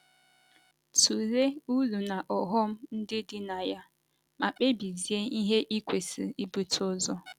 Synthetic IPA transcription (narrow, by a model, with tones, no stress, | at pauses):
tu˨le˦u˦lu˨na˨ʔɔ˨ɦɔ˦m̩˦n̩˦dɪ˦dɪ˦na˨ja˦ | ma˨k͡pe˦bi˨zi˨e˦i˦ɦe˦ʔi˦kʷe˨si˨i˦bu˨tʊ˦zɔ˦